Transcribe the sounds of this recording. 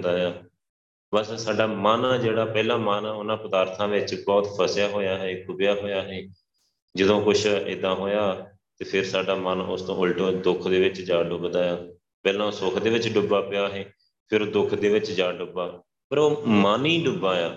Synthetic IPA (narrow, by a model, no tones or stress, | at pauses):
d̪aːjaː | bəssaːɖaːmaːnaːd͡ʒeːɽaːpɛːlãːmaːnãːʊnãːpəd̪aːɾt̪ʰãːʋɪt͡ʃbɔːt̪pʰəsjaːɦoːjaːɦɛːkʰʊbjaːɦoːjaːɦɛː | d͡ʒɪd̪õːkʊt͡ʃʰɪ̰d̪ãːɦoːjaː | t̪eːpʰɪɾsaːɖaːmənʊst̪õːʊlʈõːd̪ʊkʰd̪eːʋɪt͡ʃd͡ʒaːɖʊkd̪aːjaː | pɛːlãːsʊːkʰd̪eːʋɪt͡ʃɖʊbaːpɪjaːɦɛː | pʰɪɾːd̪ʊkʰd̪eːʋɪt͡ʃd͡ʒaːɖʊbaː | pəɾoːmaːniːɖʊbãːjaː